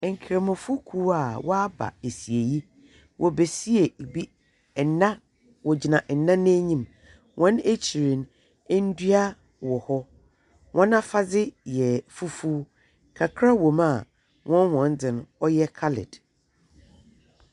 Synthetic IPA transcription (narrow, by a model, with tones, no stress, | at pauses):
ŋ̩˨kʰɾe˨mʊ̃˨fu˦kʰu˦a˨wɔ˦a˦ba̰˨e˨si˨e˨ji˦ | wʔɔ˨be˨si˦e˨bi˦˨ | nã˦ | wɔ˨d͡ʑi˨nã˨ʔn̩˨nã˦nʊ̃˦æ˦ɲĩ˦˨m | wʔɔ̃˦ne˦t͡ɕʰi˨ɾĩ˨n | e˦n̩˦dɥa˦ | wɔ˨hɔ˦ | wʔɔ̃˦nã˦fa˦d͡zɪ˦jɛ˨fu˦fuː˦ | kʰa˨kʰɾa˦wo˨mã˨ | wʔɔ̃˦nwɔ̃˨n˦dɪ̃˨ñ˦ɔ˦jɛ˦kʰa˦lɪ̰˨d̥